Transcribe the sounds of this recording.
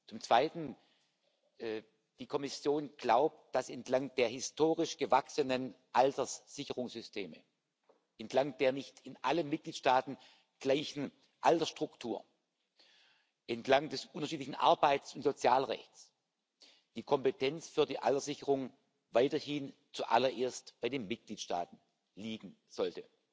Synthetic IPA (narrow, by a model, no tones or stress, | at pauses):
t͡sʊmt͡sv̥aɪtn̩ | ɛ | d̥iːkʰɔmɪsjoːnɡ̥laʊp̚t̚d̥asɛntlaŋdeːɐhɪstʰoːʁɪʃɡ̥əvaksənən | ʔaltɐsz̥ɪçəʁʊŋsz̥ʏstʰḛːmə | ʔɛntʰlaŋd̥eːɐnɪçtɪnʔalənmɪt̚ɡ̥liːtʃtaːtn̩ | ɡ̥laɪçn̩ | ʔaltɐsʃtʁ̥ʊktʰuːɐ | ʔɛntlaŋdɛsʔʊntɐʃiːtlɪçn̩ʔa̰ɐbaɪtt͡sʊntz̥ot͡sjaːlʁɛ̰çts | d̥iːkʰɔmpətʰɛnt͡sfyːɐdiːʔa̰ltɐsz̥ɪçəʁʊŋ | vaɪtɐhɪn | t͡suʔa̰lɐʔeːɐstb̥aɪdeːnmɪt̚ɡ̥liːtʃta̰ːtn̩ | liːɡŋ̩ | z̥ɔltə